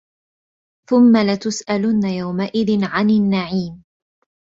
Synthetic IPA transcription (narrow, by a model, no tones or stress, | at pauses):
θʊmːalat̪ʊsʔalʊnːajawmaʔɪðɪnʕanɪnːaʕiːm